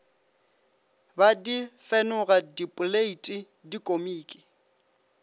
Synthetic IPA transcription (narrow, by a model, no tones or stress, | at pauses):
badifɛnʊɣadipʼʊleitʼi | dikʼomiːkʼɪ̥